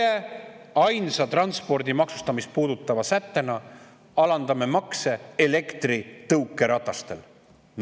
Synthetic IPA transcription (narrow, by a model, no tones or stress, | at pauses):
e | ɑjnsɑt̪rɑnspo̞rd̪imɑksu̥st̪ɑmist̪̚puːd̪̥ut̪ːˑɑvɑsæt̪ːe̞nɑ | ɑlɑnd̪̥ɑme̞mɑkse̞ele̞kt̪rit̪ɤwkːˑe̞ɾɑt̪ːˑɑst̪e̞l | n